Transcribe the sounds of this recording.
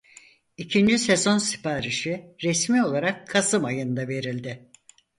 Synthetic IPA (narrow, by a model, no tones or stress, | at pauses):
icʰind͡ʒise̞zo̞nsi̥pʰaːɾiʃiɾesmio̞lˠaɾakʰːasɯmajɯnd̪ave̞ɾilʲd̪ɪ